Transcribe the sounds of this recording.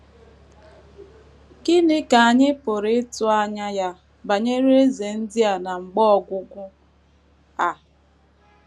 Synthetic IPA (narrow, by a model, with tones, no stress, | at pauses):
ɡɪ˦nɪ˦ka˨a˨ɲɪ˦pʊ˨ɾɪ˦ɪ˦tʊ˦a˦ɲa˦ja˦ | ba˨ɲe˦ɾe˦e˦ze˨n̩˦dɪ˦a˨na˨ŋ͡m̩˨ɡ͡bɔ˦ɔ˨ɡʷʊ˦ɡʷʊ˦ | a˨